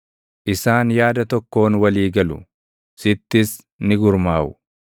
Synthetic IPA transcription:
ʔɪsaːnjaːd̪ɐt̪ɔkːo̞ːnwɐliːɡɐlʊ̰ | sɪt̪ːɪs | nɪɡʊɾmaːʔʊ

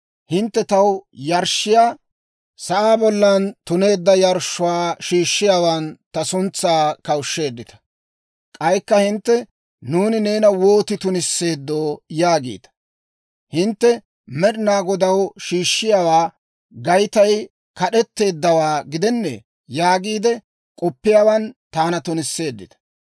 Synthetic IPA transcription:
hɪnt̪ːɛt̪ɐwjɐɾʃɪjaː | sɐʔaːbɔlːɐnt̪ʊne̞ːd̪ːɐjɐɾʃːʊwaːʃiːʃːɪjaːwant̪ɐsʊnt͡sːaːkɐwʃːe̞ːd̪ːɪt̪ɐ̥ | kʼɐjkːɐhɪnt̪ːɛ | nuːnɪne̞ːnɐwo̞ːt̪ɪt̪ʊnɪsːe̞ːd̪ːoːjaːɡḭːd̪ɐ̥ | hɪnt̪ːɛ | mɛɗɪnaːɡɔd̪ɐwʃiːʃːɪjaːwaː | ɡɐjt̪ɐj | kɐɗɛt̪ːe̞ːd̪ːɐwaːɡɪd̪ɛnːɛ̰ | jaːɡiːd̪ɛ | kʼɔpːɪjaːwɐnt̪aːnɐt̪ʊnɪsːe̞ːd̪ːɪ̰t̪ɐ̥

